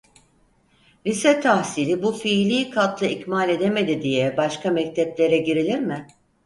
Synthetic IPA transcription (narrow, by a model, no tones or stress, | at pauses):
lʲisɛt̪ʰahsilʲibufiːlʲiːkʰat̪lˠɯicmalʲe̞d̪e̞me̞d̪id̪ijɛbaʃkamɛc̚t̪ʰɛplʲe̞ɾɛɟiɾilʲiɾmɪ